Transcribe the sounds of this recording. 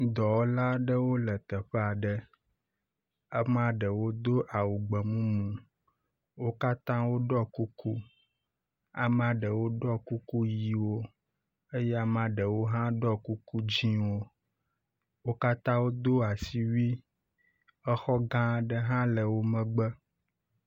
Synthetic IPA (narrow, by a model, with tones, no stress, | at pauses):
d̪ɔ˨wo˦la˦ɖə˦wo˦lə˨t̪ə˨ɸɛ˦a˨ɖə˦ | ə˦m˦a˨ɖə˨wo˦d̪o˦ʔa˨wu˨ɡ͡bə˨mũ˦mũ˨ | wo˦ka˦t̪ã˦wo˦ɖɔ˦ku˦ku˦ | a˨m˦a˨ɖə˨wo˦ɖɔ˦ku˦ku˦ji˨wo˦ | e˦jɛ˦a˨m˦a˨ɖə˨wo˦ɦã˦ɖɔ˦ku˦ku˦d͡ʒĩ˦wo˦ | wo˦ka˦t̪ã˦wo˦d̪o˦a˨si˦wi˦ | ə˦xɔ˦ɡã˦ɖə˦ɦã˦lə˨wo˦mə̃˦ɡ͡bə˦